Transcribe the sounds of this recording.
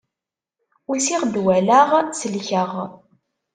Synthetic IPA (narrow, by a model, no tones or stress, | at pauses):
wisiʁd̪wælaʁsəlçəʁ